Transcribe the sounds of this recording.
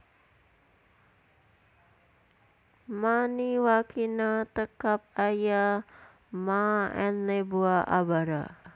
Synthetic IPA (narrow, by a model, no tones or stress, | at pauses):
maniwakinat̪əkap̚aja | maɛnlebuaʔa̰baɾa̰